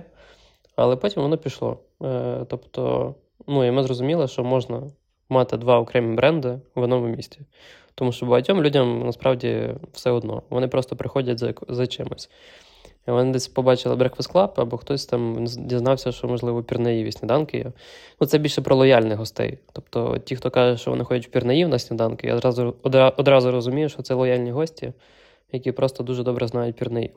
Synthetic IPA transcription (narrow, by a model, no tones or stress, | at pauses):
ɐ̰lˠɛpɔtʲimʋɔnɔpʲiʃlˠɔ̰ | t̪ɔpt̪ɔ̰ | nuimɪzɾɔzʊmʲilˠɐʃt͡ʃɔmɔʒnɐ | mɑt̪ɪd̪ʋɑɔkɾɛmʲibɾɛnd̪ɪɔd̪nɔmʊmʲisʲtʲi | t̪ɔmuʃt͡ʃɔbʊɦɐtʲɔmlʲudʲɐmnɐspɾɑwdʲḭwsɛɔd̪nɔ̰ʋɔ̰nɪpɾɔst̪ɔpɾɪxɔdʲɐtʲzɐzɐt͡ʃɪmɪsʲ | iʋɔnɪd̪ɛsʲpɔbɑt͡ʃɪlˠɪ̰bɾɐkʋɪsklˠɑpɐbɔxt̪ɔsʲt̪ɑmdʲiznɑwsʲɐʃt͡ʃɔmɔʒlˠɪʋɔpʲirnejiʋʲisʲnʲɪd̪ɑnkɪj̰nut̪sɛbʲilʲʃɛpɾʔɔlˠɔjalʲnɛɦɔst̪ɛ̰jt̪ɔp̚t̪ɔ̰tʲixt̪ɔkɑʒɛʃt͡ʃɔ̰ʋɔ̰nɪxɔdʲɛtʲwpʲirnejiwnasʲnʲɪd̪ɑnkɪja̰ɑzʊɔd̪ɾɑzʊɾɔzʊmʲijʊʃt͡ʃɔt̪sɛlˠɔjalʲnʲiɦɔsʲtʲḭ | jɐkʲipɾɔst̪ɔd̪uʒɛd̪ɔbɾʔɛznɑjʊt̚ʲpʲirnɛjḭ